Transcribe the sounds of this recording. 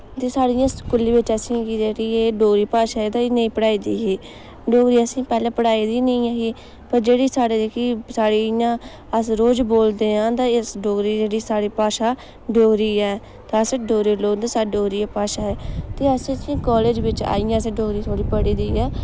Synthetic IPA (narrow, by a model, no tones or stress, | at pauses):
t̪eːsaːɽijãːkʊlːiːʋɪt͡ʃəsĩkid͡ʒeːɽieːɖoːɾiːpaːʃaːɛːt̪ãːɪnə̃ĩːpəɽaːiːd̪iːɦiː | ɖoːɾiːəsĩːpɛːlãːpəɽaːiːd̪iːnəĩːãːɦiː | pəɾd͡ʒeːɽiːsaːɽeːd͡ʒekiːsaːɽijãː | əsɾoːd͡ʒboːld̪eːãːt̪ãːɪsɖoːɾiːd͡ʒeːɽiːsaːɽiːpaːʃaː | ɖoːɾiːɛː | t̪ãsɖoːɾiːloːnd̪aːsaːɖoːɾiːaːpaːʃaːɛːt̪eːəsĩəsĩːkɔːleːd͡ʒʋɪt͡ʃa̰ːijãːsẽːɖoːɡɾiːt̪ʰoːɽiːpəɽiːd̪iːɛː